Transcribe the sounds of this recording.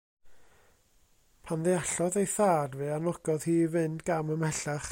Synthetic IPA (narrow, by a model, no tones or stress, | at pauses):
pʰanðɛaɬɔðejθaːdvɨanɔɡɔðhiːvɨndɡ̥aməmɛɬaχ